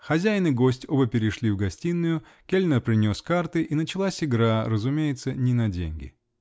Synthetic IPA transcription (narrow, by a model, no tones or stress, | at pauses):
xɐzʲæjnɨɡo̞sʲtʲobəpʲɪɾʲɪʂlʲivɡɐsʲtʲinːʊjʊ | kʲelʲnərpɾʲɪnʲo̞skart̪ɨʔinət͡ɕɪlˠasʲɪɡɾaɾəzʊmʲejɪt̪sənʲɪnɐdʲḛnʲɡʲɪ̰